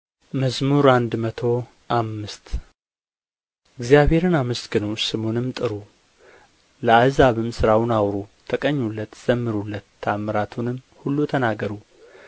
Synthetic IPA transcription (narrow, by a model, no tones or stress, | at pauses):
məzmuɾand̪mət̪ʰo̞ | ʔamːɨst̪ | ʔɨɡzijaβhe̞ɾɨnamɨsɡɨnusɨmonɨmt̪ʼɨɾu | ləazaβɨmsɨɾawnawɾut̪ʰəkʼəɲːulːət̪z̥əmːɨɾulːət̪ʰːaməɾat̪ʰunɨm | hulːut̪ʰənaɡːəɾu